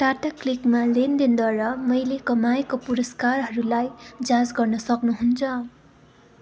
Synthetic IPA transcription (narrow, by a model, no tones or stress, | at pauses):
ʈaʈaklikmalend̪ind̪waɾʌmʌjlekʌmajkopuɾʌskarɦʌɾulajd͡zad͡zɡʌrnʌsʌknuɦunt͡sʰʌ